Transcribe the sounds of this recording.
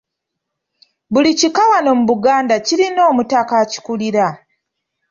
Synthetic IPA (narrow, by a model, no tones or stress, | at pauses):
βulicikawano̞muβuɡaːndaciɾino̞ːmutakaci̥kuliɾa